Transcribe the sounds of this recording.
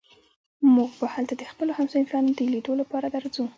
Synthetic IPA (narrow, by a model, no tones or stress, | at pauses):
muɡbahalt̪ad̪əxpəlohamsoɪmfɑnod̪əled̪olapɑɾad̪aɾzu